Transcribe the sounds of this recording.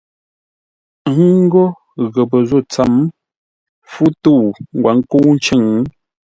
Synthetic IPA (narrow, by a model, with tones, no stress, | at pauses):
ŋ̩˦ɡɔ˦ | ɣə˨pə˨zo˦˨t͡sa˨m | fu˦to˦˨ŋ˨ɡwa˨˦ŋ˦ko˦n̩˦t͡ʃə˦˨ŋ˦